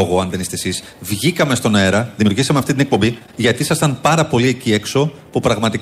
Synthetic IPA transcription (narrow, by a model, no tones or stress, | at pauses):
oɣoɐnðe̞nist̪e̞sis | vʝikɐme̞st̪o̞ne̞ɾɐðimiuɾʝisɐmeɐft̪it̪inek̚po̞mbi | ʝɐt̪isɐst̪ɐnpɐɾɐpo̞liecie̞kso̞ | pupɾɐɣmɐt̪i